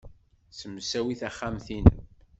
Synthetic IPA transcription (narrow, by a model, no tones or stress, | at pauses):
səmːsæwiθæχːamθinə